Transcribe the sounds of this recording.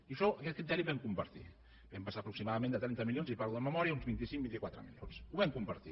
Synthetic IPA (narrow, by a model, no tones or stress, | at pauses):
iʃɔʔəkɛt̪̚kɾit̪ɛɾiβɛmkumpəɾt̪ḭ | bɛmpəsaːpɾuksimaðəmẽnd̪ət̪ɾɛnt̪əmiljonzipaɾðuðəməmɔɾiaunzβint̪isiŋbint̪ikwat̪ɾə̰mḭljo̰nsuβɛmkumpəɾt̪ḭ